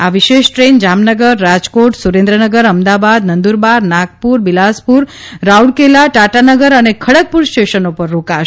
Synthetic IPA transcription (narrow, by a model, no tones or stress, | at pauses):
aʋiʃeʃʈɾend͡ʒamnəɡəɾːad͡ʒkoʈsuɾẽnd̪ɾənəɡəɾəmd̪abad̪nənd̪uɾbaɾnak̚puɾbilaspuɾ | ɾauɽkelaʈaʈanəɡəɾənekʰəɽək̚puɾst͡ʃeʃənopəɾːokaʃ